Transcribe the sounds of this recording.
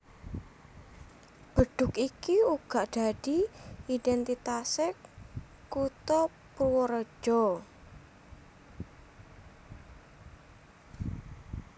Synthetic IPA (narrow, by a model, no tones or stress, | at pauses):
b̥əɖ̥ʊ̤kikiuɡ̥aʔɖ̥aɖ̥iidɛnt̪it̪asɪ | kut̪ɔ | pɾuwəɾə̥ʒ̥ɔ